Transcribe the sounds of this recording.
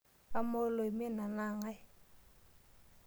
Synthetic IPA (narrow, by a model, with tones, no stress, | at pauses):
pa˦mo˦lo˨i˨mɛ˦na˨na˦˨ŋa˦